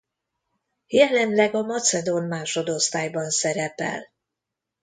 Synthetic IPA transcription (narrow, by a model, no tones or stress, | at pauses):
jɛlɛmlɛɡɒmɒt̪sɛd̪onmaːʃo̞d̪o̞st̪aːjbɒnsɛɾɛpɛ̰l